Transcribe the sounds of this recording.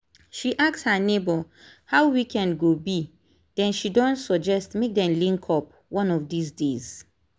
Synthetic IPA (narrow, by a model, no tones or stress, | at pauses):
ʃiʔakshanebɔ | hawwikɛ̃nɡobi | d̥ɛ̃nʃidɔ̃ntsɔd͡ʒɛstmek̚dɛ̃mlĩŋkʰɔp̚ | wɔ̃nɔfdisdez̥